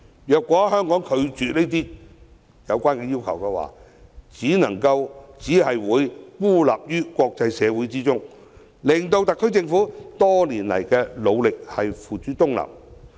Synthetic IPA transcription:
jœː˨kʷːɔː˨˥hœː˥ŋkɔː˨˥ŋkʰɵ˨˧ɥt͡ʃyː˨ne˥jt̪̬iː˥ | jɐ˨˧wkʷaː˥nkɛː˧jiː˥wkʰɐ˨˩wkɛ˧wa̰ː˨˩ | t͡siː˨˥nɐ˨˩ŋkɐ˧wt͡siː˨˥ɦɐ˨jwuː˨˧jkuː˥la̰ː˨p̚jyː˥kʷɔː˧k̚t͡sɐ˧jsɛː˨˧wu˨˥jt͡siː˥t͡sʊ˥ŋ | lɪ˨˩ŋt̪o˧wt̪ɐ˨kʰːɵ˥ɥt͡sɪ˧ŋfuː˨˥t̪ɔː˥liː˨˩nlɐ̰˨˩jkɛː˧lo˨˧wlɪ˨k̚hɐ˨jfuː˨˩t͡ʃyː˨˥t̪ʊ˥ŋla̰ː˨˩m

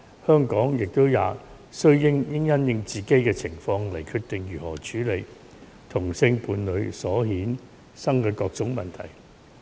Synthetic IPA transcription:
hœː˥ŋkɔː˨˥ŋjɪ˨k̚t̪o˥wjaː˨˧ | sɵ˥ɥjɪ˥ŋjɪ˥ŋjɐ˥njɪ˧ŋt͡siː˨ke˥jkɛː˧t͡sʰɪ˨˩ŋfɔː˧ŋlɐ˨˩jkʰyː˧t̚t̪ɪ˨ŋjyː˨˩hɔː˨˩t͡ʃʰyː˨˥le˨˩j | t̪ʰʊ˨˩ŋsɪ˧ŋpuː˧nlɵ˨˧ɥsɔː˨˥hiː˨˥n | sɐ˥ŋkɛː˧kɔː˧k̚t͡sʊ˨˥ŋmɐ˨nt̪ʰɐ̰˨˩j

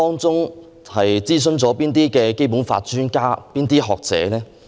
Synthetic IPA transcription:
ɔː˥ŋt͡sʊ˥ŋ | hɐ˨jt͡siː˥s̬ɵ˧nt͡sɔː˨˥piː˥nt̪̬iː˥kɛː˧ke˥jpu˨˥nfa̰ː˧t̚t͡ʃyː˥nkaː˥piː˥nt̪iː˥ɦɔː˨k̚t͡sɛ̰ː˨˥lɛː˥

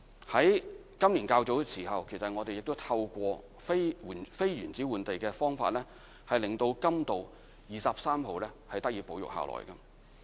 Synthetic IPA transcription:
hɐ˨˥j | kɐ˥mliː˨˩nkaː˧wt͡so˨˥wsiː˨˩hɐ˨wkʰe˨˩jsɐ˨t̚ŋɔː˨˧t̪e˨jɪ˨k̚t̪o˥wt̪ʰɐ˧wkʷɔː˧ | fe˥u˨˩nfe˥jɥyː˨˩nt͡siː˨˥wuː˨˩nt̪e˨jkɛː˧fɔː˥ŋfa̰ː˧t̚lɛː˥ | hɐ˨jlɪ˨˩ŋt̪o˧wkɐ˥mt̪o˨w | jiː˨sɐ˨p̚saː˥mɦo˨˧wlɛː˥hɐ˨jt̪ɐ˥k̚jiː˨˥po˨˧wjʊ̰˨k̚ha̰ː˨˩lʔɔ̰ː˨˩jkɐ˧

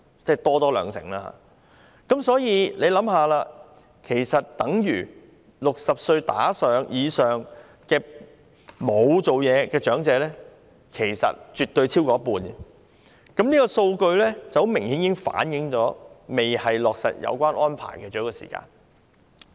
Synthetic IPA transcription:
t͡sɛː˥˩t̪ɔː˥t̪ɔː˥lœ̰ː˨˧ŋsɪ̰˨˩ŋlaː˧ha̰ː˧ | kɐ˨˥msɔː˨˥jiː˨˧le˨˧jlɐ˨˥mɦaː˨˧laː˧ | kʰe˨˩jsɐ˨t̚t̪ɐ˨˥ŋjyː˨˩ | lʊ˨k̚sɐ˨p̚sɵ˧ɥt̪aː˨˥sœː˨ŋjiː˨˧sœː˨˩ŋ | kɛː˧ | mo˨˧wt͡so˨wjɛː˨˧kɛː˧t͡ʃœː˨˥ŋt͡sɛː˨˧lɛ˥ | kʰe˨˩jsɐ̰˨t̚t͡ʃyː˨t̪̚ɵ˧ɥt͡sʰiː˥wkɔː˨˥ɐ˥puː˧nɛ˨ | kɐ˨˥mniː˥kɔː˧so˧wkɵ˧ɥlɛː˥t͡sɐ˨˩who˨˥wmɪ˨˩ŋhiː˨˥njiː˨˦˥ŋfa̰ː˨˥njɪ˨˥ŋt͡ʃɔː˨˥me˨jhɐ˨jlɔː˨k̚sɐ̰˨t̚jɐ̰˨˧wkʷaː˥nʔɔː˥npʰa̰ː˨˩jkɛ˧t͡ɕɔː˨˥kːɔː˧sḭː˨˩ka̰ː˧n

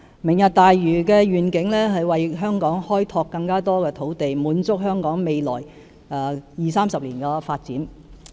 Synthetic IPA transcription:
mɪ˨˩ŋjɐ˨t̚t̪aː˨jɥyː˨˩kɛː˧ɥyː˨nkɪ˨˥ŋlɛː˥ɦɐ˨jwɐ˨jɦœː˥ŋkɔː˨˥ŋhɔː˥jt̪ʰɔː˧kːɐ˧ŋkaː˥t̪ɔː˥kɛː˧t̪ʰo˨˥wt̪e˨jmuː˨˥nt͡sʊ˥k̚ɦœː˥ŋkɔː˨˥ŋme˨jlɔ̰ː˨˩j | ɛː˨˧jiː˨saː˥msɐ˨p̚liː˨˩nkɛː˧faː˧t̚t͡siː˨˥n

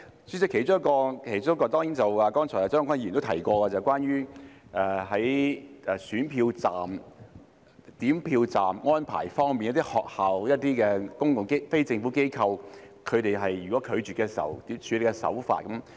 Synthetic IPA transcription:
sy˥si˧kʰe˨˩jt͡sʊ˥ŋɐ˥kɔː˧kʰe˨˩jt͡ʃʊ˥ŋ˥kɔː˧t̪ɔː˥ŋiː˨˥nt͡sɐ˨waː˨˧kɔː˥nt͡ʃʰɔː˨˩ja˨˩t͡sœ˥ŋ˥kʰʷjt̪o˥t̪ʰɐ˨˩jkʷɔː˧kɛː˧t͡sɐ˨wkʷaː˥nɥyː˥ʔɛ˨˧ɦɐ˨˥jɛ˨˧syː˨˥npʰiː˧wt͡saː˨m | t̪iː˨˥mpʰiː˧wt͡saː˨mŋɔː˥npʰa̰ː˨˩jfɔː˥ŋmiː˨njɐ˥t̪iː˥hɔː˨k̚haː˨wjɐ˥t̚t̪iː˥kɛː˧kʊ˥ŋkʊ˨ŋke˥fe˥jt͡sɪ˧ŋfuː˨˥ke˥jkʰɐ˧wkʰɵ˨˧ɥt̪e˨jɦɐ˨jɥyː˨kwɔː˨˥kʰɵ˨˧ɥt͡ʃyː˨tkɛː˧siː˨˩˦wt̪iː˨˥t͡ʃʰyː˨˧le˨˧kɛ˧sɐ̰˨˥wfa̰ː˧t̚kɐ˨˥m

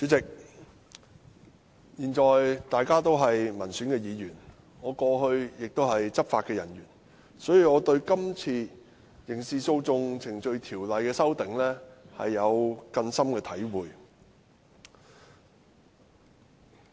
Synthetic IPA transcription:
t͡syː˨˥t͡sɪ˨k̚ | jiː˨˩nt͡ʃɔː˨jt̪aː˨jkaː˥t̪o˥wɦɐ˨jmɐ˨˩nsyː˨˥nkɛː˧jiː˨˧jyː˨˩n | ŋɔː˨˧kɔː˧ɦɵ˧ɥjɪ˨k̚t̪o˥wɦɐ˨jt͡sɐ˥t̚faː˧t̚kɛː˧jɐ˨˩nɥyː˨˩n | sɔː˨˥jiː˨˧ŋɔː˨˧t̪ɵ˧ɥkɐ˥mt͡sʰiː˧ | jɪ˨˩ŋsiː˨˧so˧wt͡sʊ˧ŋt͡sʰɪ˨˩ŋt͡ʃɵ˧ɥt̪ʰiː˨˩wlɐ˨jkɛː˧sɐ˥wt̪ɪ˨ŋlɛː˥hɐ̰˨jːɐ˨˧wkɐ˧nsɐ˥mkɛː˧t̪ʰɐ˨˥jwuː˨j

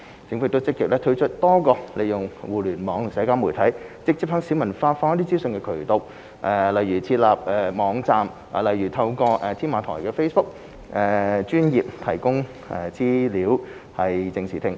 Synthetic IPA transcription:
t͡sɪ˧ŋfkt̪o˥wt͡sɪ˥kːɪ˨k̚lɛː˥t̪ʰɵ˧˥ɥt͡ʃʰɵ˥t̚t̪ɔː˥kɔː˧lʔe˨˧jʊ˨ŋwuː˨˩lyː˨˩nmɔː˨˧˥ŋ˨˩sɛː˨˧˥kaː˥mu˨˩jt̪ʰɐ˨˥jt͡sɪ˧k̚t͡si˨˥phœ˨˧˥ŋsiː˨˥wmɐ˨˩nfaː˧tfɔː˧ŋɐ˥t̪iː˥t͡siː˥wsɵ˨˧nkɛː˧kʰɵ˨˩ɥt̪o˨w | ʔɛː˨˧lɐ˨jɥyː˨˩t͡sʰiː˧t̚laː˨˩p̚ʔɛː˨˧mɔː˨˧ŋt͡saː˨m | a̰ː˨lɐ˨jɥyː˨˩t̪ʰɐ˧wkɔː˧ʔɛː˧t̪ʰiː˥nmaː˨˧t̪ʰɔ̰ː˨˩jkɛː˧fe˥jsbʊ˥k̚ | ʔɛː˨˧t͡ʃyː˥njiː˨p̚t̪ʰɐ˨˩jkʊ˥ŋ | ʔɛ̰ː˧t͡siː˥liː˨˥w | hɐ˨jt͡sɪ˧ŋsʰiː˨˩t̪ʰɪ˧ŋ

